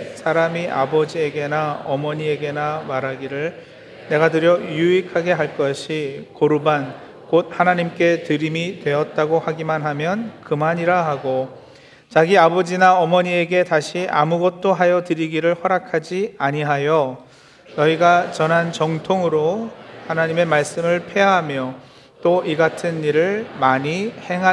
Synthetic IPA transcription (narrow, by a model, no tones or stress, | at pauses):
sʰaɾamiʔa̰bʌd͡ʑie̞ɡe̞naʌmʌɲie̞ɡe̞namaɾaɡiɾɯɭ | ne̞ɡatɯɾjʌjuikʰaɡe̞ɦaɭk͈ʌɕʰikoɾuban | kot̚hanaɲimk͈e̞tɯɾimitwe̞ʌt̚t͈aɡohaɡimanɦamjʌnkɯmaɲiɾaɦaɡo | t͡ɕaɡiabʌd͡ʑinaʌmʌɲie̞ɡe̞taɕʰiʔamuɡʌt̚t͈oɦajʌtɯɾiɡiɾɯɭhʌɾakʰad͡ʑiaɲiɦajo | nʌiɡat͡ɕʌnɦant͡ɕʌŋtʰoŋɯɾohanaɲime̞maɭs͈ɯmɯɭpʰe̞ɦamjʌ | t͈oʔiɡatʰɯniɾɯɭmaɲiheŋɦa